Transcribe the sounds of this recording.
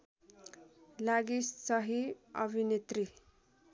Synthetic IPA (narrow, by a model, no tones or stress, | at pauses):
laɡissʌɦiʌ̰bʱinet̪ri